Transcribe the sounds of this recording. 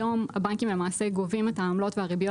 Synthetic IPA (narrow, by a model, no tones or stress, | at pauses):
o̞mhabankimlemaːse̞ɡovimethaːmlo̞tvehaʁibjo